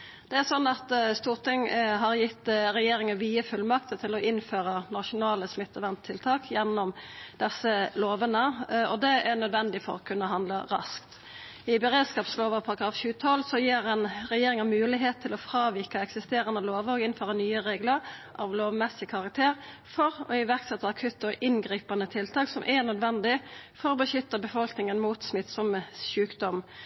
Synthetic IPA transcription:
d̪̥ɛæʁsɔnːɑt̪st̪uːʁt̪ʰɪŋɦɑʁjɪt̪ːɾɛjeːɾɪŋənʋiːəfʉlmɑk̚t̪ət̪ʰːɪlɔʔɪnføːɾənɑʂʊnɑːləsmɪt̪ːəʋænt̪ʰːɪlt̪ʰɑːkjɛnːɔmd̪̥ɛsːəloːʋənəɔd̪ɛʔæʁnœd̪ʋɛnd̪ɪfɔ̰ɾɔkʰʉnːəɦɑnd̪ləɾɑ̰skt̪ | ɪbɛɾeːd̪skɑːpsloːʋəpʰɑɾkʰɑfçʉːət̪ʰɔlːsɔjiːɾɛnɾɛjeːɾɪŋɑmʉːlɪɦeːt̪ʰːɪlɔfɾɑːʋikəɛksɪst̪eːɾɑnəloːʋɔɡɪnnføːɾənyːəʁeːɡləɾʔɑʋloːʋmɛsɪkʰɑʁɑk̚t̪ʰeːʁfɔɾɔɪʋæʁksɛt̪ːəɑkʰʉt̪ːɔʔɪnɡɾiːpɑnət̪ʰɪlt̪ʰɑːksɔmʔɛnœd̪ʋɛnd̪ɪfɔɾɔːbəʃʏt̪ːəbəfɔlknɪŋənmuːt̪smɪt̪ːsɔmʃʉːkd̪ɔm

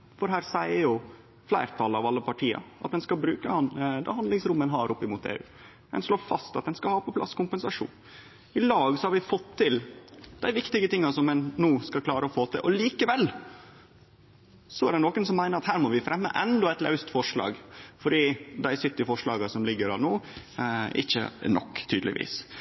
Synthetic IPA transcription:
fɔɾɦæːɾsæɪəɾjʊ | flæɪɾt̪ʰɑlɑʋɑlːəpʰɑʈʰiːɑ̰ʔɑt̪d̪ɛnskɑlbɾʉːkəhɑnd̪ɑ̰hɑnd̪ɪŋsɾʊmːənɦɑɾʔʊpːɪmuːt̪ḛːʉ̰ː | ɛ̰nʂloːɾfɑst̪ɑt̪̚d̪ɛnskɑlhɑːpɔpʰlɑ̰skʊmpənsɑʂṵːn | ɪlɑːɡsɔhɑɾʋɪfɔt̪ʰːɪld̪̥æɪʋɪkt̪ɪɡət̪ɪŋːɑsɔmɛnːuːskɑkʰlɑːɾəɔfoːt̪ʰɪ̰ʔɔliːkəʋɛlː | sɔæɖɛnoːkːənsɔmːæɪnəɾɑt̪hæːɾmɔʋɪfɾɛmːə̰ʔɛnd̪ɔɛɪt̪lɑ̰ʉst̪fɔʂlɑ̰ːɡfɔɖiːd̪æɪsʏt̪ːɪfɔʂɭɑːɡəsɔmlɪɡːəɾɑ̰nuː | ɪ̰çːə̰nʔɔ̰kːt̪ʰyːd̪lɪ̰ʋḭːs

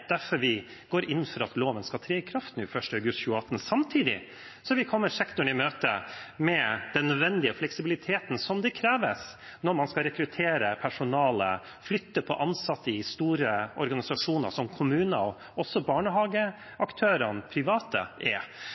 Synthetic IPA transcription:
d̪̥æɾfɔɾʋɪ | ɡ̥oːɾɪn̩ːfɔɾɑt̪loːʋənskɑt̪ʰɾeːkʰɾɑft̪n̩ʉfœʂʈəɑʉɡʉst̪çʉːəɑt̪ːn̩sɑmt̪ʰiːd̪ɪ̰ | sɔʋɪkʰɔmːəʂɛkt̪ʊɳɪmøːt̪əmɛd̪̥ɛnːœd̪ʋɛnd̪ɪəflɛksɪbɪlɪt̪ʰeːt̪nsɔmd̪ɛkʰɾeːʋəsnɔɾmɑnskɑɾɛkɾʉt̪ʰeːɾəpʰæʂʊnɑːlə̰ | flʏt̪ːəpʰɔʔɑnsɑt̪ːəɪst̪uːɾəʔɔɾɡɑnɪsɑʂuːnɑ̰sɔmkʰʊmʉːnəɔ | ɔsːɔbɑːɳəɦɑːɡə | ʔɑkt̪ʰøːɾənpʰɾɪʋɑːt̪ə̰ʔɛ

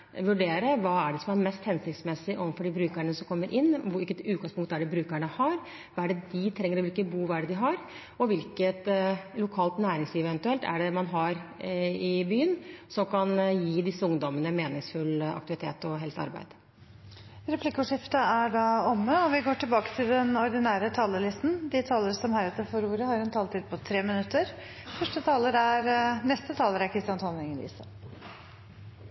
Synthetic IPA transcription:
ʋʉɖeːɾəʋɑːæɖɛsɔmæɾmɛst̪hɛnsɪkt̪smɛsɪʔɔʋnfɔɖɪbɾʉːkæɳəsɔmkʰɔmːəɾʔɪnːɪkːət̪ʉːt̪̚ɡɑŋspʊŋkt̪æɖɪbɾʉːkæɳəhɑɾ | ʋɑːæɖɛd̪ɪt̪ʰɾɛŋːəɾɔʋɪlkəbuːʋæɖɛd̪ɪɦɑɾ | ɔʋɪlkət̪lʊkʰɑːlt̪næːɾɪŋsliːʋəʋɛnt̪ʉɛlt̪æ̰ɖɛmɑnɦɑɾɪbyːənsɔmkʰɑnjiːd̪ɪsːəʊŋd̪ɔmənəmeːnɪŋsfʉlɑ̰k̚t̪ɪʋɪt̪ʰḛːt̪ɔɦɛlsɑ̰ɾbæ̰ɪd̪̥ | ɾɛpʰlɪkːʊʂɪft̪əæɖɑɔmːəɔʋɪɡoːʈɪlbɑːkə̥t̪ʰɪld̪ɛnɔɾɖ̪ɪnæːɾət̪ʰɑːləlɪst̪n̩d̪ɪt̪ʰɑːləɾsɔmhæːɾɛt̪ːəɾfɔɾuːɾəhɑɾɛnt̪ʰɑːlt̪ʰiːd̪̚pʰɔt̪ʰɾeːmɪnʉt̪ːəɾ | fœʂʈət̪ʰɑːləɾæɾnɛst̪ət̪ʰɑːləɾæɾkʰɾɪst̪ɪɑnt̪ʰoːnɪŋəḭːsə

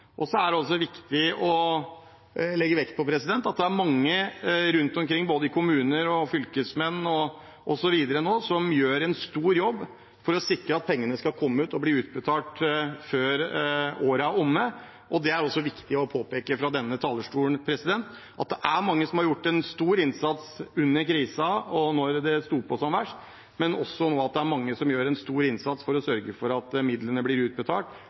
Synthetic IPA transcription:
ʔɔsɔæɖɛɔs̬ɔʋɪkt̪ɪɔ | lɛɡːəʋɛkt̪̚pʰɔpʰɾɛsɪd̪ɛnt̪ːɑt̪̚d̪ɛæɾmɑŋːəɾʉnt̪ɔmkɾɪŋːboːd̪əɪkʰʊmʉːnəɾɔfʏlkəsmɛnːɔ | ʔɔsɔʋiːd̪əɾənoːsɔmjøːɾɛnst̪uːɾjɔbː | fɔɾɔsɪkɾəɑt̪̚pʰɛŋːənəskɑlkʰɔmːəʉːt̪ɔbliːʉːt̪̚bət̪ʰɑːʈføːɾoːɾəʊmːə | ʔɔd̪ɛæɾɔsːɔʋɪkt̪ɪɔpʰoːpeːkəfɾɑd̪ɛnːət̪ʰɑːləʂʈuːənpʰɾɛsɪd̪ɛnt̪ | ʔɑ̰t̪̚d̪ɛʔæɾmɑŋːəsɔmhɑɾjʊʈːɛnst̪uːɾɪnsɑt̪sʉnːəɾkɾiːsɑɔnɔɾd̪ɛst̪uːpʰɔsɔmʋæʂt̪ | mɛnɔsːɔnoːɑt̪̚d̪ɛæɾmɑŋːəsɔmjøːɾɛnst̪uːɾɪnsɑt̪sfɔɾɔsœɾɡəfɔɾɑt̪mɪd̪lənəblɪɾʉːt̪̚bət̪ʰɑ̰ːlʈ

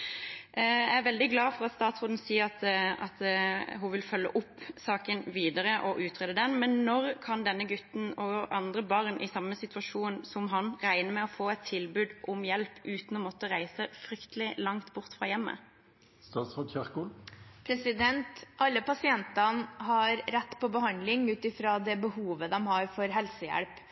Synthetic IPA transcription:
jæɪæʋɛld̪ɪɡlɑːfɔʁɑt̪st̪ɑːt̪sʁoːd̪n̩siːəʁɑt̪ɑt̪ɦʊʋɪlfœlːə̰ʔʊpːsɑːkənʋiːd̪əʁəʔɔʔʉːt̪ʰʁɛd̪əd̪ɛnmɛnːɔʁkʰɑnd̪ɛnːəɡʉt̪n̩ɔɑnd̪ʁəbɑʁnʔɪsɑmːəsɪt̪ʉɑʃuːnsɔmɦɑnʁæɪnəmɛːɔfoːɛt̪ʰːɪlbʉːd̪ʔʊmjɛlpʔʉːt̪n̩ɔmɔt̪ːəʁæɪsəfʁʏkt̪əlɪlɑŋt̪bʊʁt̪fʁɑːjɛmːə̰ | st̪ɑːt̪sʁɑd̪çœʁkulpʰɾɛsɪd̪ɛnt̪ʔɑlːəpɑsɪɛnt̪ɑnɦɑɾɾɛt̪ːpʰɔbəhɑnd̪lɪŋʉːt̪ɪfɾɑːd̪ɛbəhuːʋəd̪ɛmhɑɾfɔɾɦɛlsəjæ̰ɽp

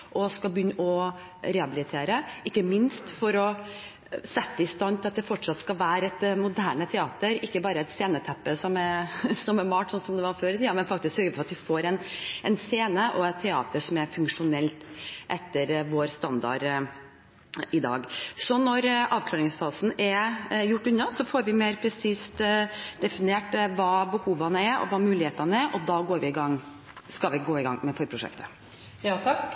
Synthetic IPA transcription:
ʔɔskɑlbəjʏnːəɔ | ɾɛɑbɪlɪt̪ʰeːɾəʔɪkːəmɪnst̪fɔɾɔ | sɛt̪ːəɪst̪ɑnːt̪ʰɪlɑt̪̚d̪ɛfɔʈʂɑt̪skɑʋæːɾɛt̪mʊd̪æːɳət̪ʰɛɑːt̪əɾɪkːəbɑːɾəɛt̪seːnət̪ʰɛpːəsɔmɛsɔmɛɾmɑːʈsɔnsɔmd̪ɛʋɑɾføːɾət̪ʰiːɑmɛnfɑkt̪ɪsksœɾɡəfʰɔɾɑt̪ʋɪfoːɾɛnɛnseːnəʔɔɛt̪ʰːɛɑ̰ːt̪əʂɔmæɾfʉŋkʂʊnɛlt̪ʔɛt̪ːəɾʋoːɾst̪ɑnd̪ɑ̰ɾ | ɪd̪ɑ̰ːɡsɔnɔɾɑːʋkʰlɑːɾɪŋsfɑːsn̩ɛɾjʊʈːʉɲːɑsɔfoːɾʋɪmeɪɾpʰɾɛsiːst̪d̪̥ɛfɪneːʈʋɑːbəhuːʋɑnəæɾɔ̰ʋɑːmʉːlɪheːt̪ənəæɾʔɔd̪ɑːɡoːɾʋɪɪɡɑŋː | skɑlʋɪɡoːɪɡɑ̰ŋmɛfɔɾpʰɾʊʂɛ̰kt̪ə̥ | jɑt̪ʰɑk

